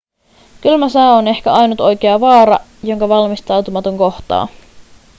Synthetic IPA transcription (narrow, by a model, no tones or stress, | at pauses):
kylmæsæːone̞hkæɑjnut̪o̞jkeɑʋɑːɾɑjo̞ŋkɑʋɑlmist̪ɑwt̪umɑt̪oŋko̞ht̪ɑ̰ː